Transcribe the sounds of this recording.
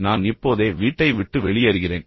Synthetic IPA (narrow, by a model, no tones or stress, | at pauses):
naːnɪpːoːðeːʋiːʈːɐɪʋɪʈːɯʋɛɭɪjɐɾɯɣɪreːn